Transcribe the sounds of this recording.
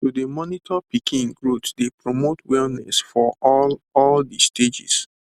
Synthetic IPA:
tudemɔnitʰɔpikʰĩŋɡɹotdepɹomotwɛlnɛ̰sfɔɔɔldisted͡ʒḭs

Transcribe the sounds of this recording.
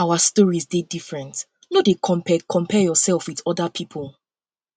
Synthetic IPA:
awastɔɹizdedifɹɛ̃nt | nodekʰɔ̃pɛkʰɔ̃mpʰɛjɔsɛlˠfwiðɔdapʰipʰɔlˠ

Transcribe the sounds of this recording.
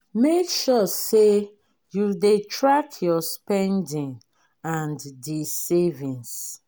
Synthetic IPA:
mekʃɔse | juldetɹakʰjɔspɛ̃ndĩŋ | ãndisevĩns

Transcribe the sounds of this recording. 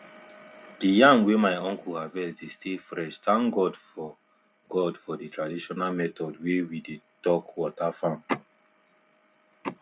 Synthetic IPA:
d̥ijãmwemaɪɔ̃ŋkʰuhavɛsdestʰefɹɛʃtãŋkɡɔdfɔ | ɡɔdfɔditʰɹadiʃɔnalmɛtɔdwewidetɔkwɔtafãm

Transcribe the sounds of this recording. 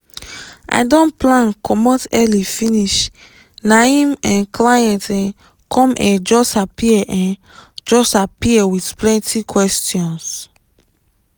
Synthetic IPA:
ʔa̰jdɔ̃nplãnkʰɔmɔtɛlifĩniʃ | naĩmɛ̃nklajɛ̃ntɛ̃ | kʰɔ̃mʔɛ̃d͡ʒɔstapiɛʔɛ̃n | d͡ʒɔstapiɛwidplɛ̃ntikʰwɛstjɔ̃ns

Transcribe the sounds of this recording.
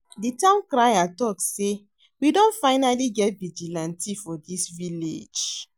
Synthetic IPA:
ditãʊ̃nkɾajatɔkse | widõntfaɪnaliɡɛt̚bid͡ʒilãntifɔdisvilḛd͡ʒ

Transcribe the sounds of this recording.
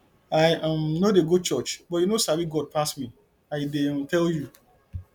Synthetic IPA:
ajãmnodeɡod̚t͡ʃɔt͡ʃbɔtjunosaviɡɔd̚pʰastmi | aɪdetɛlju

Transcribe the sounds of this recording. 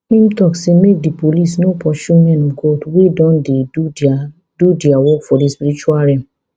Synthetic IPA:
ĩmtɔksĩmek̚dipolisnopʰɔʃũmɛ̃nũɡɔdwedɔ̃ndeu | dudiawɔkfɔdispiɾit͡ʃualɾɛ̃

